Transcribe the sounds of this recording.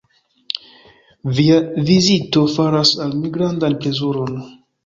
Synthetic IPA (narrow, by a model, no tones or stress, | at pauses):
viavizito̞faɾasalmiɡɾandanpɾe̞zuɾo̞n